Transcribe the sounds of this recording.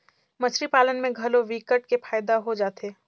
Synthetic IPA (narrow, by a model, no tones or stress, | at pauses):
mɐt͡ʃɾipaːlənmẽɡʱɐloʋiːkəʈ̚kefʰaːjd̪aɦod͡ʒaːt̪ʰeː